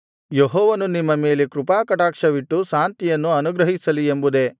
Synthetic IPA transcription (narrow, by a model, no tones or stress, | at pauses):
jeɦɔːʋɐnunimːɐme̞ːlekɾupaːkɐʈaːkʂɐʋiʈːuʃaːnt̪ijɐnːuɐnuɡɾɐɦisɐliembud̪e̞